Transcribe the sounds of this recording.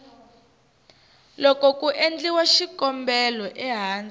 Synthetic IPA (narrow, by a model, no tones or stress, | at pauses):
lɔkɔkʼuʔend͡ɮiwaʃikʼɔmbɛlɔʔɛɦaːnd͡zɛ